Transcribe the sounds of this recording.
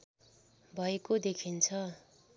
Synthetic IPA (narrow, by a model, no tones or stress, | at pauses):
bʱʌekod̪ekʰint͡sʰʌ